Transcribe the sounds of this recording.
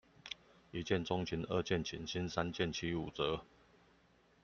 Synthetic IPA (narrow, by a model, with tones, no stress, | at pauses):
i˨˦t͡ɕjɛ˥˨nt͡sɔ˦ŋt͡ɕʰi˨˦nə˥˧t͡ɕjɛ˥˨nt͡ɕʰḭ˨˩nɕi˦nsa˦nt͡ɕjɛ˥˨nt͡ɕʰi˦u˨˩t͡sə˨˦